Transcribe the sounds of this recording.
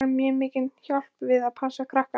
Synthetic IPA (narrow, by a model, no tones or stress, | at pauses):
amjɛmɪːcɪnçal̥pvɪðaðpʰasakʰɾahka